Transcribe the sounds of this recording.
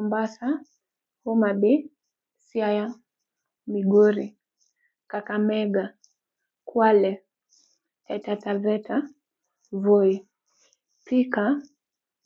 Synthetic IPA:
umbasa | humaɓi | sjaja | miɡuɾi | kakamɛɡa | kwalɛ | ɛtatavɛta | vɔi | pika

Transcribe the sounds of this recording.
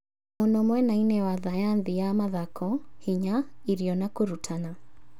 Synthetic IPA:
monɔmwɛnainɛwaðajanðijamaðakʰɔhiɲaiɾiɔnakuɾutʰana

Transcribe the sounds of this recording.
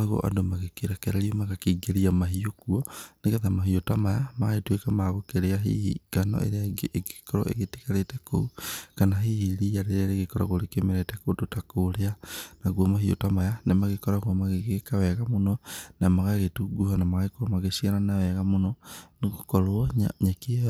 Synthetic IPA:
aɣo̰ʔa̰domaɣekiɾakeɾeɾiomaɣakiɡeɾiamaɦiokuonekatamaɦiotamajamaɣaetwekamaɣokeɾeaɦḭhḭɡ̥ano̰ʔḛɾeaɡikoɾɔ̰ʔḛɣeti̥kaɾeteko̰ukanaɦihiɾijaɾeɾaɾeɣekɔɾa̰ɣoɾekemeɾetɛkototakoɾeanaɣwomaɦio̰tamajanemaɣekɔɾaɣwɔmaɣeɣekawɛɣamonɔnamaɣaɣetuɡuhanamaɣaekoomaɣesiaɾanawɛɣamonɔneɣokɔɾoɔɲaɲake

